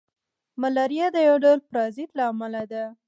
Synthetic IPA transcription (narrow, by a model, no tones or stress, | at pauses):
malɑɾjad̪əjawɖawlpɾɑzid̪laːmalad̪a